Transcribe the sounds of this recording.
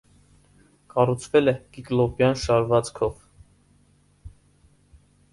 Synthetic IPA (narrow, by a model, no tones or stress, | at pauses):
kɑrut͡sʰvɛlɛkiklɔpjɑnʃɑɾvɑt͡skʰɔv